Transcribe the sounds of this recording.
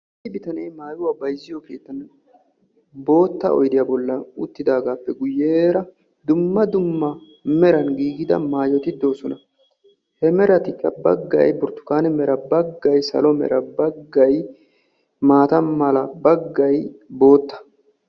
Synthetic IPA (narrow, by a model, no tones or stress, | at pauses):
sɪbɪt̪ɐnɛjmaːjʊwabɐjzːɪjɔkeːt̪ːɐn | bo̞ːt̪ːɐ̰ʔɔ̰jd̪ɪjaːbɔlːɐʊt̪ːɪd̪aːɡaːpːɛɡʊjːeɾɐ | d̪ʊmːɐd̪ʊmːɐ | mɛɾɐnɡiːɡɪd̪ɐ̰maːjɔt̪ɪd̪o̞ːsɔnɐ | hɛmɛɾɐt̪ɪkːɐbɐ̰ɡːɐ̰jbʊɾt̪ːʊ̥kaːnɛmɛɾɐbɐɡːɐjsɐ̰lɔmɛ̰ɾɐbɐɡːɐj | maːt̪ɐmɐlɐbɐɡːɐjbo̞ːt̪ːɐ̥